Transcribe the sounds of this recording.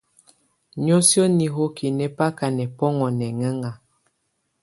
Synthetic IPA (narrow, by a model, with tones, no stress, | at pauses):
ɲo˦sjɔ˦ni˨ɦo˦kʰi˨nɛ˦pa˦ka˨nɛ˨pɔ˦ŋɔ˨nɛ˨ŋə˦ŋa˨